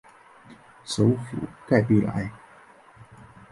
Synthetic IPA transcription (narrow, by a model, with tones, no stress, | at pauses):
so˨˥˦wfṵ˨˩˦ka˥˩jpi˥˩la̰ː˨˧˥j